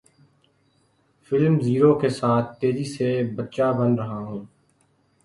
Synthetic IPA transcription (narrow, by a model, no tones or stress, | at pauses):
fɪlmziːɾokesaːt̪̚ʰt̪eːzisebətːʃabənɾəɦaɦũː